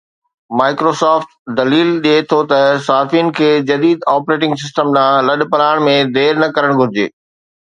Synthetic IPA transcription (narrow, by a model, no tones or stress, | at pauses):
maːɪkɾoːsaːfʈd̪ɐliːlɗiet̪ʰot̪ɐsaːfiːn̆kʰeːd͡ʑɐd̪iːd̪aːpɾeːʈɪ̃ŋɡs̬ɪsʈəmnãːlɐɗpɐlaːɪɽ̃mẽd̪eːɾnɐkɐɾəɽ̃ɡʱʊɾɪd͡ʑḛː